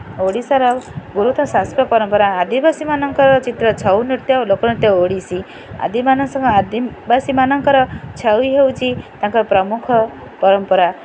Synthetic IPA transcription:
oɽisɔɾɔɡuɾut̪ɔsaspɔpɔɾɔmpɔɾaːd̪ibasimanɔŋkɔɾɔt͡ʃit̪ɾɔt͡ʃʰawnit̪jɔlokɔnɔt̪jɔoɽisi | a̰d̪imanɔŋsɔ̃ŋkad̪ibasimanɔŋkɔɾɔt͡ʃʰawiɦewt͡ʃʰit̪ãŋkɔɾɔpɾɔmukʰɔ | pɔɾɔmpɔɾa

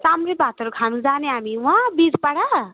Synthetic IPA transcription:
samɾebʱat̪ʌɾukʰanũd͡zaneamiwãbiɾpaɽa

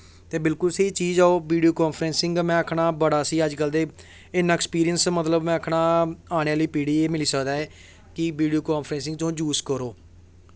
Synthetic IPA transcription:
t̪eːbɪlkʊlseːiːt͡ʃiːd͡ʒaːoːʋiːɖijoːkaːnpʰɾɛ̃ːnsɪ̃ŋɡmɛ̃ːəkʰɳaːbəɽaːsiːəd͡ʒkəld̪eː | ɪnãːɛkspiːɾijənsmət̪ləbmɛ̃ːəkʰɳaːaːɽ̃eːaːliːpiːɽiːeːmɪliːsəkd̪aːɛː | kɪʋiːɖijoːkaːnpʰɾɛ̃ːns̬ɪ̃ŋɡt̪õːd͡ʒuːskəɾoː

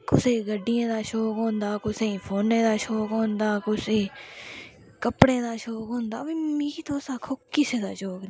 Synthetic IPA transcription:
kʊseːɡəɖːijãːd̪aːʃoːkɦõːnd̪aːkʊsẽːpʰoːnẽːd̪aːʃoːkɦõːnd̪aːkʊseː | kəpɽẽːd̪aːʃoːkɦõːnd̪a̰ːʋimiit̪oːsaːkʰokːɪsẽːd̪aːʃoːkn

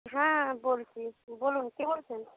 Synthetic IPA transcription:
ɦãbolt͡ʃʰibolunkebolt͡ʃʰen

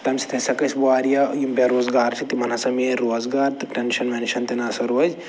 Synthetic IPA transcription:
t̪ɐmsi̥t̪ʰɐsɐkɐsʲbuaːɾjɐjimbeɾoːzɡaːɾt͡ʃʰit̪imɐnɐsɐmeɾoːzɡaːɾt̪ɨʈenʃɐnmenʃɐnt̪inasɐɾuɐz

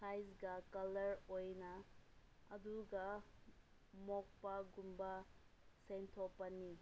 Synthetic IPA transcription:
sʰajzɡɐkɐlɐɾojnɐː | duɡɐ | mɔk̚pɐɡumbɐsentʰopɐni

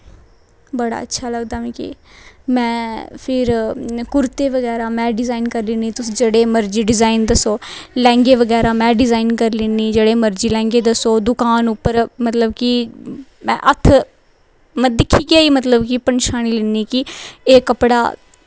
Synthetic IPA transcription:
bəɽa̰ːətːʃʰaːləɡd̪aːmĩːkḭmɛ̃ːpʰɪɾkʊɾt̪eːʋəɡɛːɾaːmɛ̃ːɖɪzaːinkəɾlɪniːt̪ʊsĩːd͡ʒeːɽeːməɾd͡ʒiːɖɪzaːind̪əsoːlɛ̃ːŋɡeːʋəɡɛːɾaːmɛ̃ːɖɪzaːinkəɾleːniːd͡ʒeːɽeːməɾd͡ʒiːlɛ̃ːŋɡeːd̪əsoːd̪ʊkaːnʊpːəɾmət̪ləbki | mɛ̰̃ːʔə̰t̪ʰ | məd̪ɪkʰːiːkɪaːiːmət̪ləbkipənʃaːniːlɪːniːkɪeːkəpɽa̰ː

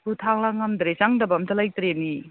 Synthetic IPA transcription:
butʰaŋlaŋamdɾesaŋdɐbɐmtʰɐlajtɾeni

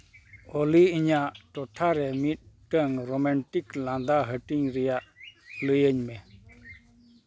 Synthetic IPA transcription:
oliiɲaʈ͡ʂoʈʰaɾemiʈəŋromanʈikland̪aɦəʈiŋɾijaləjəɲme

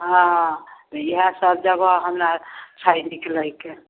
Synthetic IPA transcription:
ɦãɦt̪iɦãsəb̚d͡ʒabəɦɦəmɾat͡ʃʰainikeləɦikːe

